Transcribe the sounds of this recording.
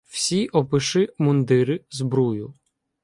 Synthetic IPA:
w̥sʲiʔɔpɪʃɪmʊnd̪ɪɾɪzbɾujʊ

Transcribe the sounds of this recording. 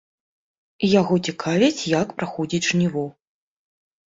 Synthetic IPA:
jaɣɔt͡sʲikʰavʲit͡sʲjakpɾaxɔd͡zʲid͡zʲʐnʲivɔ

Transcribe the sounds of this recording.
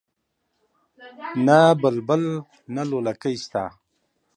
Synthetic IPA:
nabəlbəl | nalolakəjst̪a̰

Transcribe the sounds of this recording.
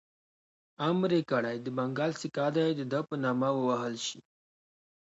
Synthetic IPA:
amɾekaɽajd̪əbaŋɡɑlsikɑd̪ajd̪əd̪əpənɑmawəwaɦəlʃi

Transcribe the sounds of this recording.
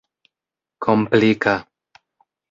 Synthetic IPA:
kʰomplika

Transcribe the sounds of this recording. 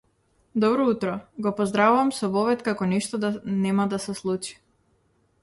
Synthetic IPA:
d̪ɔbɾɔut̪ɾɔɡɔpɔzd̪ɾavuvamsɔvɔvɛt̪kakɔnɛʃt̪ɔd̪anɛmad̪asɛslˠut͡ʃi̥

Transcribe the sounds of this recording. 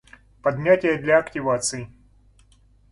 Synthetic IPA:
pɐd̪ʲnʲatʲɪjəd̪lʲɐɐktʲɪvat̪sɨj

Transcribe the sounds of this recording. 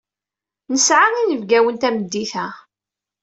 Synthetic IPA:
nəsʕaʁinəvɡæwənt̪æməd̪ːiθæ

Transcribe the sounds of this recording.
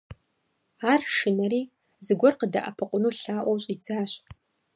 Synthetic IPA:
aːrʂɨnɐɾiː | zɨɡʷɔrqəda̰ʔɐ̰pʰɨqʷʼʊnuːɬaːʔʷwɕʼid͡zaːɕʼ

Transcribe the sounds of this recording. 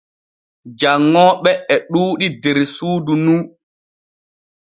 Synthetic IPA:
d͡ʒaŋːɔːɓɛɛɗuːɗideɾsuːdunu

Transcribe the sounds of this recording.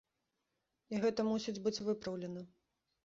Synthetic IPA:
iɣɛt̪ɐmusʲid͡zʲbɨt͡sʲvɨpɾɐwlʲɛnɐ

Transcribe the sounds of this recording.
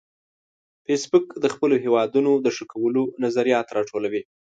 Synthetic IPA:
fesbʊkd̪əxpəloɦewɑd̪unod̪əʂəkawəlonazaɾijɑt̪ɾɑʈʰolawi

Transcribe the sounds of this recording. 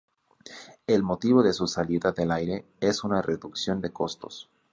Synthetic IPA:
e̞lmo̞t̪iβo̞ðe̞susaliðaðe̞lajɾe̞ | esunareðuksjo̞nd̪e̞ko̞st̪o̞s

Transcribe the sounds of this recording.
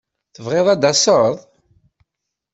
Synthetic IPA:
θəvʁeðˤæd̪ɑsˤəɾðˤ

